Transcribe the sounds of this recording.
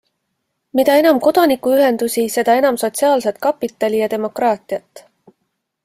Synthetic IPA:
mit̪ɑe̞nɑmko̞d̪̥ɑnikːˑuyɦe̞nd̪usise̞d̪̥ɑe̞nɑmso̞t̪ʲsiɑːlset̪kɑpːˑit̪ːˑɑlʲijɑt̪e̞mo̞krɑːt̪ˑiɑt̪ːˑ

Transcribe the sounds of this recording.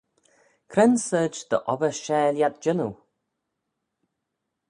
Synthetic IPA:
kʰɾɛnsəːd͡ʒd̪̥ə̰ʔɔbəʃɛːljat̪̚d͡ʒɪnu

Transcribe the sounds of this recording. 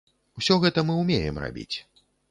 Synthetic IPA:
wsʲɔɣɛt̪ɐmɨwmʲejɛmra̰bʲḭt͡sʲ

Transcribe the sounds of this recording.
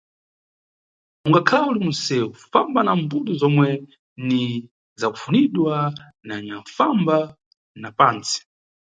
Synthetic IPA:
uŋɡakʰaulimunsɛufambanambuɗuzɔmwɛ | ni | zakufuniɗwa | naɲaɱfamba | napaːnt͡si̥

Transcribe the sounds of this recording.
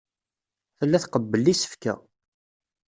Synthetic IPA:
θəlːæθqəbːəlːisə̥fkæ̰

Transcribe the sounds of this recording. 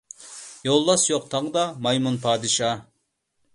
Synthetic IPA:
jolˠːɑsjoq̚t̪ʰɑʁəd̪ɑmɑjmunpʰɑːd̪ɨʃɑ

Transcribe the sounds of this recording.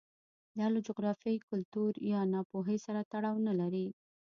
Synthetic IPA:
d̪ɑlad͡ʒʊɣɾɑfjajkʊlt̪uɾjɑnɑpoɦesaɾat̪aɽɑwnalaɾi

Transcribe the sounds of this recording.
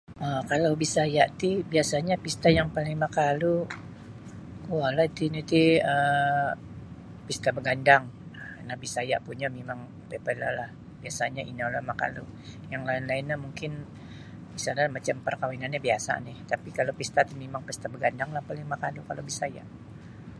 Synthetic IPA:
ʔəkalawbisajaʔt̪ibiasaɲapist̪ajaŋpaliŋmakalu | kualait̪init̪iə | pist̪abəɡandaŋənahbisaja̰ʔpuɲamemaŋ | pepəla̰lah | biasaɲaʔinalamaka̰lṵ | jaŋlaɪnlaɪnːahmuŋkɪn | bisanamat͡ʃampərkawinanɲabiasa̰nɪht̪apikalopist̪at̪imimaŋpist̪abəɡandaŋlahpaliŋmakalukalobisaja̰ʔ

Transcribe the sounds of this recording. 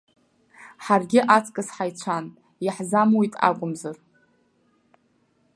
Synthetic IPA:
ħarɡʲɪʔat͡sʰʼkʼɨsħajt͡sʷʰan | jaħzamwitʼa̰kʷʼʊmzar

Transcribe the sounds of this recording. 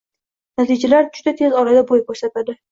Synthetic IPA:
nat̪ʰid͡ʒalaɾd͡ʒʊd̪at̪ʰe̞zɒɾad̪abojkoɾsat̪ad̪ɪ

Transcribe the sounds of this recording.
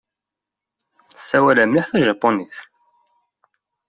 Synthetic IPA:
θsːæwælæmliħθæʒæpːoniθ

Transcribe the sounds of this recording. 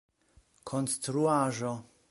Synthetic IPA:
kʰonst̪ɾuaʒo

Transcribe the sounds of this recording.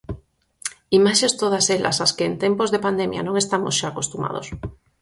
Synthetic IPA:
imaʃest̪oð̞asela̰saskeːnt̪empozðepand̪emja̰nõŋest̪amosʃaːkost̪uma̰ð̞o̰s

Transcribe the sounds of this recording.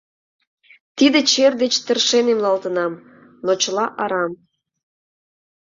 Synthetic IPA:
t̪id̪ĕt͡ɕerd̪et͡ɕt̪ə̆rʃenemlɑlt̪ə̆nɑm | not͡ɕəlɑʔɑɾɑm

